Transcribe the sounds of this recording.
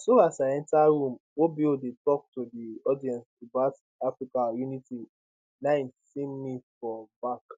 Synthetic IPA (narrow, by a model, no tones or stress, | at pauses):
soasaɛ̃ntaɾũmobiodetɔk̚todiɔdiɛ̃nstubat | afɹikajuniti | nãɪ̃nsimmifɔbak